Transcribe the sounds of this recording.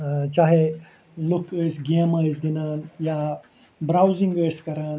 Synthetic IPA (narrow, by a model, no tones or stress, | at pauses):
t͡ʃaːɦe | lukəsɡeməsd̪inaːnja | bɾawzĩŋɡəːskɐɾaːn